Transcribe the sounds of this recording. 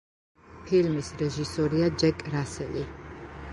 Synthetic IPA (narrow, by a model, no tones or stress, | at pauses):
pʰilmisɾɛʒisɔɾiad͡ʒɛkʼɾasɛli